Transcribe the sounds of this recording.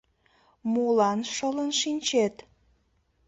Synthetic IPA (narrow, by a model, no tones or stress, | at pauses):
mulɑnʃələnʃinʲt͡ɕet̪